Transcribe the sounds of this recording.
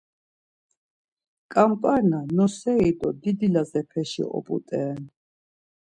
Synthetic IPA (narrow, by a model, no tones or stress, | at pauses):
kʼampʼaɾnanɔsɛid̪ɔd̪id̪ilazɛpʰɛʃḭʔɔ̰pʼṵt̪ʼɛːn